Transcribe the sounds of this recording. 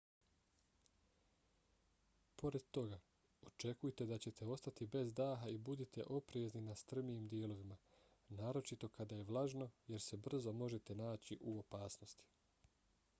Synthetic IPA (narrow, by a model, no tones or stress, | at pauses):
po̞ɾe̞d̪t̪o̞ɡa | o̞t͡ʃe̞kujet̪e̞d̪at͡ɕe̞t̪ʰe̞o̞st̪at̪ibe̞zd̪aːɦaibud̪it̪e̞̰ʔo̞pɾeːzninast̪r̩mijimd̪jeːlo̞ʋima | naːɾo̞t͡ʃit̪o̞kad̪aje̞ʋlˠaʒno̞je̞ɾse̞br̩zo̞mo̞ʒe̞t̪e̞naːt͡ɕiʔuo̞paːsno̞st̪i̥